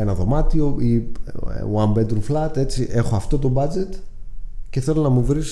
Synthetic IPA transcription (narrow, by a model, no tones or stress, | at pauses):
enɐðo̞mɐt̪io̞ḭ | wɐmbed̪ɾuflɐt̪e̞t͡siʔe̞xoɐft̪o̞t̪o̞bɐd͡ze̞t̪ | ce̞θe̞lo̞nɐmuvɾis